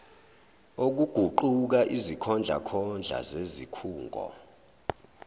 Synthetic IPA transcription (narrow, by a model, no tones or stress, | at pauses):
ok̬uɡ̥ʱuǃuk̬aʔizikʰɔnd͡ɮʱa̰kʰɔnd͡ɮʱa̰zezikʰuːŋɡʱɔ̰